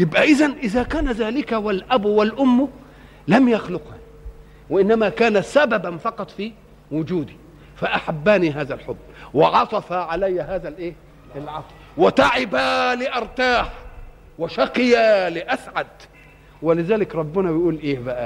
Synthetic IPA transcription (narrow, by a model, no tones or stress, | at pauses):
jɪbʔæʔɪzanʔɪzakaːnazaːlɪkawalʔabwalʔʊmːʊ | lamjaxlʊqha | wɪʔɪnːamakaːnasababanfɑqɑt̪ˤfi | wʊd͡ʒuːd̪i | faʔaħabːaːniɦaːðalħʊbːwɪʕɑt̪ˤɑfaʕalajːaɦaːzalʔeː | ɪlʕɑt̪ˤ | wɪt̪aʕɪbalɪʔɑɾˤt̪aːħ | wɪʃɑqɪjalɪʔasʕad̪ | wɪlɪzaːlɪkɾˤɑbːɪnabɪjʔuːlʔeːbaʔa